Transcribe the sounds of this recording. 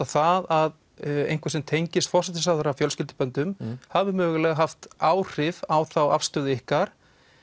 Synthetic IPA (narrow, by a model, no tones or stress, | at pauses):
aθaðað | ḛjŋ̥kvasɛmt̪ʰejɲcɪst̪fɔrsɛt̪ɪsaðʏɾavfjœlscɪlt̪ɪ̥pœnt̪ʏmhavɪmœːɣʏlɛɣaɦaft̪aːwr̥ɪvawθawa̰fst̪ʏːðʏɪhkaɾ̥